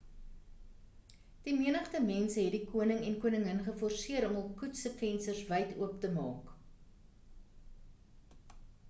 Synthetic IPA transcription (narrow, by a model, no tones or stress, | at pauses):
d̥imiənəχtəmɛnsəɦɛt̚dikuənəŋɛnkuənəŋənχəfɔrsiəɾɔməlˠkutsəfɛnsərsvəjtṵəptəmɑ̰ːk